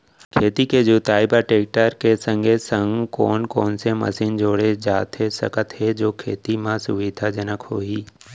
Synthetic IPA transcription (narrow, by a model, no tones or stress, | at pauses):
kʰeːt̪iked͡ʒot̪aːɪbaʈeːk̚ʈəɾkesə̃ŋɡʱesə̃ŋɡkɔ̰ːnkɔːnsemɐ̰siːnd͡ʒoːɽed͡ʒaːt̪ɦesəkət̪ɦed͡ʒoːkʰeːt̪imãsʊʋɪd̪ʱad͡ʒənəkhoːɦiː